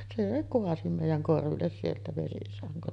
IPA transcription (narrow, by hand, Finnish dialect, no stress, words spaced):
se koɑsi meˑijæŋ korʋilːes sieltæ ʋesisɑŋkon